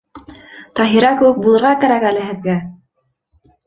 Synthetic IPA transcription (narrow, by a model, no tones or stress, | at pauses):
t̪ɑɦiɾɑkɘ̆wɘk̚bulˠɤ̆ɾʁɑkæɾækælɘɦɘ̆ðɡæ